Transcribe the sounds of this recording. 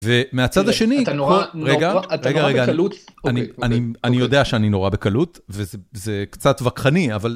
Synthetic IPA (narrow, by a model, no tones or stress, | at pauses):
vemeat͡sadaʃe̞nit̪nʁeɡaʁeɡaʁeɡaanianianijo̞d̪eaʃeanino̞ʁabe̞kalutvezezekt͡satvakχaniaval